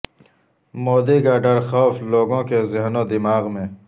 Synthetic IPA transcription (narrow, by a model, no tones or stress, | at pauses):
moːd̪iɡaːɖɐɾxɔːfloːɡõːkezɪɦnõd̪ɪmaːɣmẽː